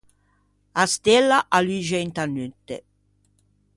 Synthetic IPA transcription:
ast̪ɛlːaʔalyʒɛnt̪anyt̪ːḛ

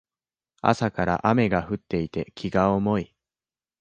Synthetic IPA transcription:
a̰sakaɾa̰ʔame̞ɡaɸɯ̟t̪ːe̞it̪e̞kʲʰiɡaomo̞i

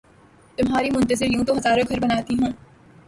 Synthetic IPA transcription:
t̪ʊmɦaːɾimʊ̃nt̪əzɪɾjũːt̪oɦɐzaːɾõɡʱɐɾbɐnaːt̪iɦũː

